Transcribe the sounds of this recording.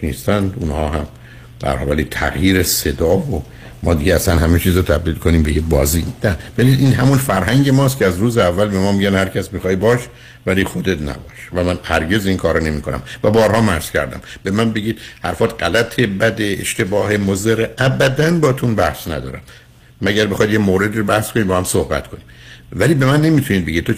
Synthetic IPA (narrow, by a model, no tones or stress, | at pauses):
nḭːst̪ænd̪unhɒːɦæm | d̪̥æ̰ɾhɒ̰vælit̪ʰæ̰ɣjiːɾese̞d̪ɒːvo | mɒːd̪iɟeæsænhæmet͡ʃʰiːzot̪ʰæbd̪iːlkʰo̞niːmbejebɒːziːnæb̥æliːd̪iːnɦæmunfæɾɦæŋɟe̞mɒːs̬t̪cʰeæzɾuːzeævːælbe̞mɒːmiːɟænhæɾcʰæsmixɒːibɒːʃ | væliːxo̞d̪e̞t̪næ̰bɒ̰ːʃvæmænhæɾɟe̞zinkʰɒːɾone̞miːkʰo̞næ̰mvæbɒːɾhɒːmæhz̥cʰæ̰ɾd̪æ̰mbe̞mænbe̞ɡiːd̪hæ̰ɾfɒːt̪ɢælæt̪ʰe̞bæd̪eḛʃt̪e̞bɒːhemozeɾeʔæbæd̪ænbɒːt̪ʰunbæhsnæ̰d̪ɒ̰ːɾæmː | æɟæɾbe̞xɒjd̪jemoːɾe̞d̪iːɾobæhskonibɒːhæmsohbæ̰t̪kʰoniː | væliːbe̞mænːe̞miːt̪ʰunid̪beɟidt̪t̪ʰo